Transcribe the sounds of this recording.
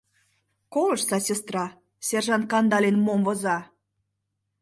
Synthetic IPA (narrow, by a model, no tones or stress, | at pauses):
kolɤ̆ʃsɑsʲest̪rɑ | sʲerʒɑnt̪̚kɑnd̪ɑlʲenmomvozɑ